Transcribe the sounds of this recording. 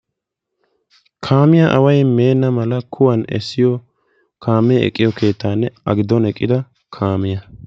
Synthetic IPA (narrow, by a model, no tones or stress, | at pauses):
kʰaːmɪjɐʔɐwɐjme̞ːnːɐmɐlɐkʰʊwɐnɛ̰sːɪjɔ | kʰaːmːɛɛ̰kʼːɪjɔkʰe̞ːt̪ːaːnːɛɐɡɪd̪ɔnɛkʼːɪd̪ɐ | kʰaːmɪjɐ